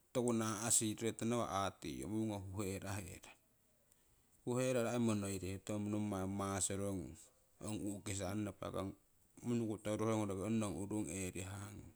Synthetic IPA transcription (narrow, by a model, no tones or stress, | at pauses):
tokunaːsiɾɾetanaβa̰ʔatḭo̰muuŋaɦuɦeɾaɦeɾa | huheɾaɾaemonoiɾehetomunomamasoɾoŋ | o̰ŋukes̬anːapa̰ɡa̰ŋ | munukutoɾoɾoŋoɾaɡeonːoŋuɾuŋeɾiɦaŋ